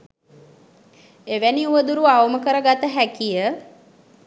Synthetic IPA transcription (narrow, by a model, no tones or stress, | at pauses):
eʋæniuʋəd̪uɾuawəməkəɾəɡat̪əɦækijə